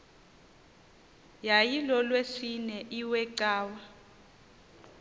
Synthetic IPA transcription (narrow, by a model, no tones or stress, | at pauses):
jajilɔlwesinɛʔiwɛǀaːwa